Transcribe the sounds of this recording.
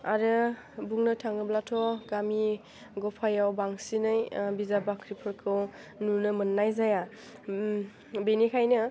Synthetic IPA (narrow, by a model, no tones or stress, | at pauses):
aɾɯ | buŋnɯtʰaŋɯblatʰɔɡami | ɡɔpʰajawbaŋsinɯjbizabakʰɾipʰɯɾkʰɯw | nunɯmɯnːajzaja | benikʰajnɯ